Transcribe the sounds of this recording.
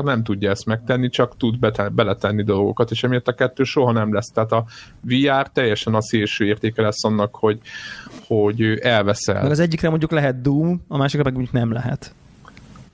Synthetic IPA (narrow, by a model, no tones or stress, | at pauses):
rnɛmt̪uɟːɒɛst̪mɛk̚t̪ɛnːit͡ʃɒkt̪ud̪b̪bɛlɛt̪ɛnːid̪o̞lɡo̰kɒt̪eːʃɛmijɒt̪ːɒkɛt̪ːøːʃo̞ɦɒnɛmlɛst̪ɛɦaːt̪ɒviaːrt̪ɛjːɛʃɛnɒseːlʃøːeːrt̪eːkɛlɛsːɒnːɒkho̞ɟho̞ɟøʔɛlvɛsɛ̰lmɛɡɒzɛɟːikrɛmo̞ɲɟuklɛɦɛt̪d̪uːmɒmaːʃikrɒmɛɡmo̞ɲɟuknɛmlɛɦɛ̰t̪